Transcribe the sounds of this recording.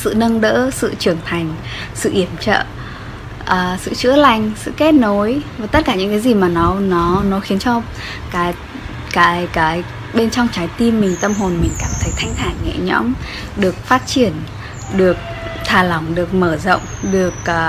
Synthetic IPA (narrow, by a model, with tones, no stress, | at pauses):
sɨ̰˧˨nə˧nɗə̰ː˧˥sɨ̰˧˨t͡ɕɨ˧˩əŋt̪ʰa˨˩jŋ̟ | sɨ̰˧˨ʔi˧˩əmt͡ɕə̰ː˧˨ | ʔəː˨˩sɨ̰˧˨t͡ɕɨ̰˧˥əla˧˩jŋ̟sɨ̰˧˨ke˦˥t̚no˨˦jvaː˨˩t̪ə˦˥t̚kaː˧˩ɲɨ̰˧˥ŋkaː˨˦jzi˨˩maː˨˩nɔ˨˦nɔ˨˦nɔ˨˦xi˨˦ənt͡ɕɔ˧ | kaː˨˦j | kaː˨˦jkaː˨˦j | ɓe˧nt͡ɕɔ˧wŋ͡mt͡ɕaː˨˦jt̪i˧mːï˨˩ŋ̟t̪ə˧mɦo˨˩nmï˨˩ŋ̟kaː˧˩mt̪ʰə˨˦jt̪ʰa˧jŋt̪ʰaː˧˩ŋŋɛ̰˧˥ɲɔ̰˧˥m | ɗɨ˨˩ək̚faː˦˥t̚t͡ɕi˧˩ən | ɗɨ˨˩ək̚ | t̪ʰaː˨˩la˨˧˩wŋ͡mɗɨ˨˩ək̚məː˧˩zo̰˧˨wŋ͡mɗɨ˨˩ək̚ʔ